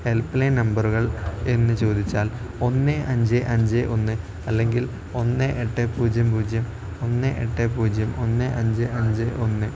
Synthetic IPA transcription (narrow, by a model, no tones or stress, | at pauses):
he̞lpːɨlejnɐmbɐruɣɐɭe̞nːɨt͡ɕo̞ːd̪it͡ɕːaːl | o̞nːɨʔɐɲd͡ʑɨʔɐɲd͡ʑɨʔo̞nːɨ | ɐlːe̞ŋɡil | o̞nːɨʔeʈːepuːd͡ʑjɐmpuːd͡ʑjɐm | o̞nːɨʔeʈːepuːd͡ʑʱjɐmo̞nːɨʔɐɲd͡ʑɨʔɐɲd͡ʑɨʔonːɨ